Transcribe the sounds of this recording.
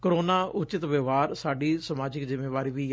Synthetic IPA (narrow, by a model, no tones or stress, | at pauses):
kəɾoːnaːʔʊt͡ʃɪt̪ʋəʋaːɾsaːɖiːsəmaːd͡ʒɪkzɪmːeːʋaːɾiːʋiː